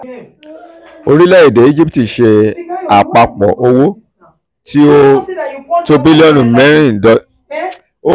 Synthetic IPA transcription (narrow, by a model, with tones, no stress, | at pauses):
o˧ɾi˦lɛ˦i˦˨de˨˦i˦d͡ʒi˦pti˨ʃe˧a˨k͡pa˧k͡pɔ̰˨ʔo˧wo˦ | ti˦o˦ | to˧bi˦li˦ɔ˦nũ˨mɛ̃˦ɾ̃ĩ˦˨dɔ˨˦ | o˦